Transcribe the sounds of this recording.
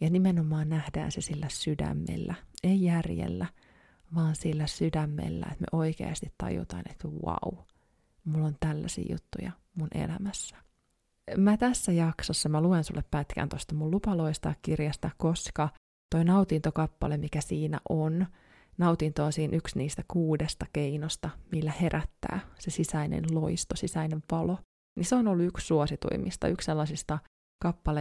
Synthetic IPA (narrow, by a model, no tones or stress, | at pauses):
jɑnimenomɑːnnæhdæ̰ːnsesilːæsydæ̰mːḛlːæeijærjḛlːæ | ʋɑːnsilːæsydæmːḛlːæ̰ḛt̪mḛʔoikḛɑ̰st̪it̪t̪ɑ̰jṵt̪ɑinet̪wɑ̰u | mulːont̪ælːæ̰sḭːjṵt̪ːujɑ̰ | munʔḛlæmæsːæ̥ | mæt̪æsːæjɑksosːɑmæluensṵlːeppæt̪kʰæ̰nt̪ost̪ɑmullupɑloist̪ɑkkirjɑst̪ɑkkoskɑ | t̪o̞inɑut̪int̪okɑpːɑ̰lemikæsiːnæ̰ʔon | nɑut̪int̪oːnsiːnʔyksniːst̪ækuːdest̪ɑkeinost̪ɑmilːæheɾʔæt̪ːæ̰ːsesisæinḛnloist̪osisæineʋpɑlo | niseonolːuykssuosit̪ṵḭmist̪ɑ̰yksselːɑsist̪ɑ | kɑpːɑle